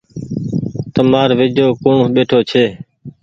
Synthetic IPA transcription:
t̪əmaːɾʋɪd͡ʒoːkoːɳɓeːʈʰoːt͡ʃʰeː

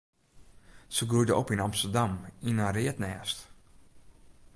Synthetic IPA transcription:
səɡujdəʔopinɑmstərdaminarɪətnɛːst

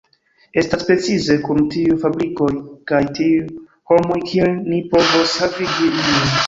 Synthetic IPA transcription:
e̞staspɾe̞t͡size̞kumtiufabɾiko̞jkajtiu | ho̞mo̞jkielnipo̞voshaviɡilin

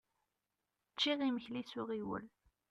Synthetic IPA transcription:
t͡ʃːiʁiməçlisʊʁiwə̰l

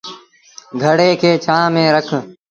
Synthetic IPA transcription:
ɡʱəɽeːkʰeːt͡ʃʰãːmẽːɾəkʰ

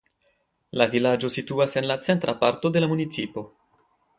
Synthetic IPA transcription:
lavilad͡ʒo̞situase̞nlat͡se̞ntɾʔapaɾto̞de̞lamunit͡sipo̞

